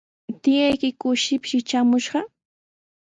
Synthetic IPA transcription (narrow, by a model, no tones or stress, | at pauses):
t̪ɪjajkɪkʊʃɪpʃɪt͡ʃamʊʃɢɑ